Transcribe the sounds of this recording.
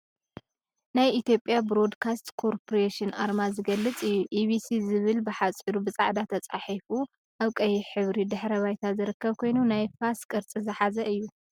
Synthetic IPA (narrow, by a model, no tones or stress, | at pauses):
najit̪ʰjo̞pʼːjabɾo̞d̪kʰast̪kʰoɾpʰoɾeʃɨnʔaɾmazɨɡɐlːɨt͡sʼɨjːuʔiβisizɨβɨlbɨħat͡sʼiɾubɨt͡sʼaʕd̪at̪ʰɐt͡sʼaħifu | ʔaβkʼɐjiħɨβɾid̪ɨħɾɐβajt̪ʰazɨɾɨkːɐβkʰo̞jnunajfaskʼɨɾt͡sʼizɨħazɐʔɨjːu